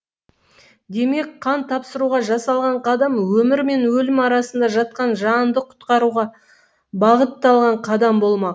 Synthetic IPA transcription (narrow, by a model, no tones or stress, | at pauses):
d̪e̞me̞k̚qʰɑnt̪ʰɑpsəɾuʁɑʒɑsɑlˠʁɑɴqʰɑd̪ɑmwɵmɪɾme̞nwɵlɪmɑɾɑsənd̪ɑʒɑt̪̚qɑnʒɑnd̪əqʰʊ̥t̪qɑɾuʁɑ | bɑʁət̪ːɑlˠʁɑɴqʰɑd̪ɑmbo̞lˠmɑq